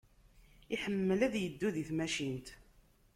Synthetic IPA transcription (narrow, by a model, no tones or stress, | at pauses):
iħəmːəlæðjəd̪ːuðiθmæʃint̪